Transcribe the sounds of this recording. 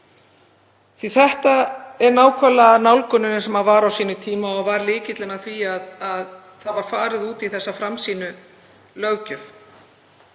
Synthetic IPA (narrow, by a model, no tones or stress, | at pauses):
θviθɛht̪aɛɾnaːwkʰœlːaːðnawlkʏnʏnɪ̥sɛmhaðvaɾawsiːnʏt̪ʰiːmaɔvaɾlɪːcɪt̪lɪnaθviaðað | θaðvaɾ̥faːɾɪðuːt̪iθɛsːafɾamsiːnʏ | lœɣcʏf